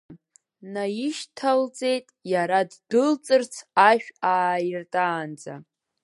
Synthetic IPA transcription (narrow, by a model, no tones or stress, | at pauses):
najɪʃtʰald͡ze̞jtʼjaɾaddɨlt͡sʼɨrt͡sʰaʃᶣaːjɪrtʼaːnd͡za̰